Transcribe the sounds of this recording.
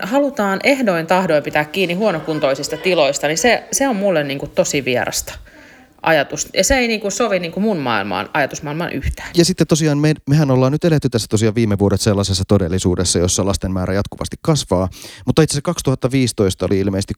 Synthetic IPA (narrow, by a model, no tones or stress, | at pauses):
hɑlut̪ɑːnʔehdoint̪ɑhdoimpit̪æːkkiːnːihuonokunt̪oisist̪ɑt̪iloist̪ɑniseseommulːenniːŋkut̪t̪osiʋiḛrʔɑ̰st̪ɑ̥ | ʔɑ̰jɑt̪usjɑseeiniːŋkusoʋiniːŋkumunmɑ̰ilmɑ̰ːnɑjɑt̪usmɑilmɑ̰nʔyht̪æ̥ːnjɑsit̪ːet̪t̪osiɑːnmemehænolːɑːnyt̪elet̪ːyt̪æsːæt̪o̞siɑːʋʋiːmːeʋuoɾet̪selːɑsesːɑt̪odelːisṵːdesːɑjosːɑlɑst̪emmæːɾæjɑt̪kuʋɑ̰st̪i̥kkɑsʋɑːmut̪ːɑit̪sesækɑkst̪uhɑt̪ːɑʋiːst̪oist̪ɑoliilmeise̥st̪i